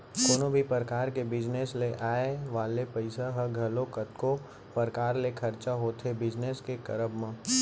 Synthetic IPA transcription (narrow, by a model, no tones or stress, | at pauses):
koːnobʱipəɾəkaːɾkebɪd͡ʒnesleʔaːeʋaːlepɐɪsaɦəɡʱɐlokət̪ko | pəɾkaːɾlekʰɐɾt͡ʃaɦoːt̪ʰebɪd͡ʒneskekɐɾəbmã